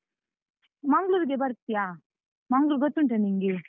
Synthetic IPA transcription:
mɐŋɡɭuːɾɡebɐɾt̪ːijaː | mɐŋɡluːɾɡɔt̪ːuɳʈeniŋɡi

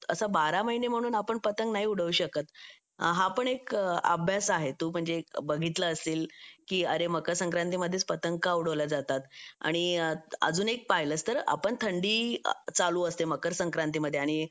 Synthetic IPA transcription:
əsabaɾaməɦinem̤əɽ̃uːnapəɳpət̪əŋɡnaɦiːuɽ̤əʋuːɕəkət̪ | ɦapəɳekə̰bʱjasaɦet̪uːm̤əɳd͡zebəɡʱit̪ləːst̪iːlkiːəɾeməkəɾsəŋkɾãnt̪̬iːməd̪ʱːjet͡spət̪əŋɡkauɽ̤əʋljad͡zat̪at̪a̰ɽ̃iə̰d͡zuːnek̚paɦjləst̪əɾa̰pəɳt̪ʰəɳɖiːt͡saluːəst̪eməkəɾsəŋkɾant̪̬iːməd̪ʱːjeaɽ̃i

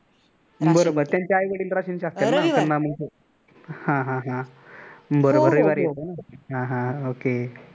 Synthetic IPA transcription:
bəɾobəɾt̪jaɲt͡ɕjaːjʋeɽiːlɾaɕinɕast̪enat̪əlnaməɳe | hãɦãɦã | bəɾobəɾejbaɾjet̪nɦãɦãoke

